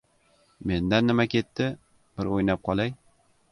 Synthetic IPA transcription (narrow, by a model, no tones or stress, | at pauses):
me̞nd̪anːɪmakʲʰe̞t̪ːɪ | b̥ɪɾojnap̚qʰɒlˠaj